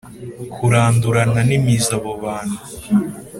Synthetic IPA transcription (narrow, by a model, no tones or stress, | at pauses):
kʰuɾaːnduɾananimizaβoβaːnu